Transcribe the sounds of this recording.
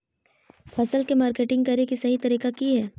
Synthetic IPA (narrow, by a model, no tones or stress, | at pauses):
pʰɐsəlkemaːɾkeːʈɪ̃ŋɡ̚kɐɾekisɐɦit̪ɐɾiːkakiɦɛː